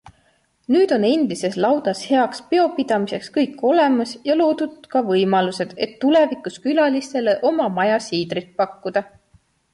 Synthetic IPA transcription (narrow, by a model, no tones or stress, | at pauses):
nyːd̪̥o̞ne̞nd̪ise̞slɑwd̪̥ɑshe̞ɑkspe̞o̞pid̪̥ɑmise̞kskɤjkːˑo̞le̞mɑsjɑlo̞ːd̪̥ud̪̥kɑvɤjmɑluse̞d̪̥e̞t̪ːule̞vikˑuskylɑlist̪e̞le̞ʔo̞mɑmɑjɑsiːd̪rit̪̚pɑkːud̪̥ɑ